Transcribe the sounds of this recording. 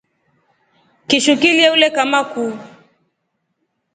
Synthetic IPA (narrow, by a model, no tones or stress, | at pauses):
kiʃukiliɛulɛkamaku